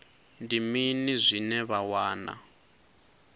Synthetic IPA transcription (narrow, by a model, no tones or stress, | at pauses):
ndiminizʷinɛβawaːna̰